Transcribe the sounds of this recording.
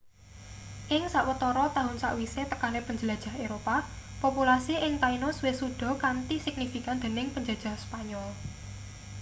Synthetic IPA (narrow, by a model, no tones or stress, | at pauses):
ʔɪŋsaʔwət̪ɔɾɔt̪aɦʊnsa̰ʔwiset̪əkanepəɲd͡ʒəlad̥ʒ̥a̤ɦeɾopapopulasiɪŋt̪ainɔswesuɖ̥ɔ̤kant̪isɪk̚nifikand̪̥e̤nɪŋpəɲd͡ʒḁd͡ʒ̥a̤hspaɲɔl